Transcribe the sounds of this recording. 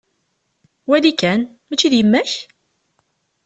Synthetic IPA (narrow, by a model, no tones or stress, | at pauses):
wælikːæn | mæt͡ʃːiðjəmːæç